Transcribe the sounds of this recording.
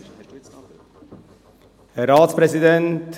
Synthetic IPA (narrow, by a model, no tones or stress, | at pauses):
ɾɑːt̪spɾɛsɪd̪ɛnt̪